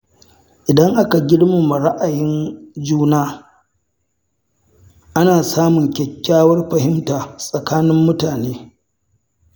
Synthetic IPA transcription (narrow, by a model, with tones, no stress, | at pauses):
ʔɪ˨dɐ˦ŋʔa˦ka˨ɡʲɪ˦ɽma˨ma˨ɽa˦ʔa˨jɪ˦nd͡ʒuː˦naː˦ | ʔa˦naː˨saː˦mʊ˨ŋkʲɛ˨kʲːaː˦wɐ˦rɸɐ˨hɪ˦mtaː˨sʼɐ˨kaː˦nɪ˦mːʊ˦taː˨neː˦